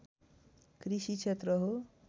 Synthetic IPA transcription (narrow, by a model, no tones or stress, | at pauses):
krisit͡ʃʰet̪rʌɦo